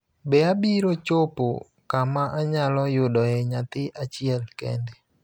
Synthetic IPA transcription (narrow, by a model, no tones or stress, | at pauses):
bɛabiɾot͡ʃopo̰ | kamaʔaɲalɔjʊdɔɛɲat̪ɪʔat͡ʃɪɛlkɛ̰nde